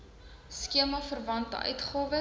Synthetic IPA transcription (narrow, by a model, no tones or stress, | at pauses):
skiəmɐfərvɐntə̰ʔœ̰ɥtχoːvə